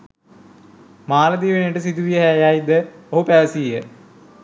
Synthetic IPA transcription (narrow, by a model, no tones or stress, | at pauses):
maːlɐd̪iːʋenejʈəsid̪uʋijɐɦæːjaːjid̪əoɦupæːsijə